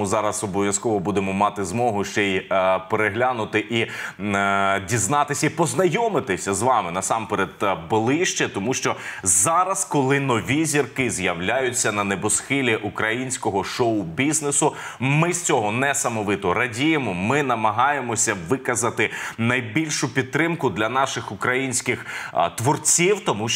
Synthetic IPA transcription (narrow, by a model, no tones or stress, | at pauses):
zɑɾɐsɔbɔʋʲjɐskɔʋɔbud̪emɔmɑt̪ɪzmɔɦʊʃt͡ʃɛjpeɾeɦlʲanʊt̪ɪʔi | dʲiznɑt̪ɪsʲɐipɔznɐjɔmɪt̪ɪsʲɐzʋɑmɪnɐsɑmpeɾed̪bolˠɪʃt͡ʃɛt̪ɔmuʃt͡ʃɔzɑɾɐskɔlˠɪnɔʋʲizʲirkɪzjɐwlʲajʊt͡sʲːɐnɐnebɔsxɪlʲiʔukɾɐjinʲsʲkɔɦɔʃɔʊbʲiznesʊmɪst͡sʲɔɦɔnɛsɐmɔʋɪt̪ɔɾɐdʲijemɔmɪnɐmɐɦɑjemɔsʲɐʋɪkɐzɐt̪ɪnɐjbʲilʲʃʊpʲid̪̚t̪ːɾɪmkʊd̪lʲɐnɑʃɪxʊkɾɐjinʲsʲkɪxt̪ʋɔrt͡sʲiwt̪ɔmu